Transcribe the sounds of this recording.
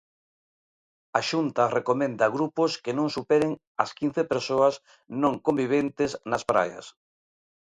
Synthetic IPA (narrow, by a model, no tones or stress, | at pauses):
aʃunt̪ɐrekomẽnd̪aɣɾupʊskenõŋsupɛɾeŋ | ɐskin̟θepeɾsoas | nõŋkombiβ̞ent̪esnɐspɾa̰jɐ̰s